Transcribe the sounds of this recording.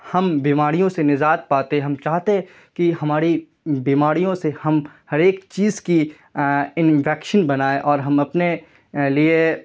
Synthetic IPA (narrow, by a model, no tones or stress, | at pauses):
hɐmbiːmaːɾijõsenɪd͡ʒaːt̪̚paːt̪eɦɛ̃ɦɐmt͡ʃaːɦt̪eɦɛ̃ | kihɐmaːɾi | biːmaːɾijõsehɐmhɐɾeːkt͡ʃiːzki | ɪnʋɛːkʃənbɐnaːeʔɔːɾɦɐmɐpne | lie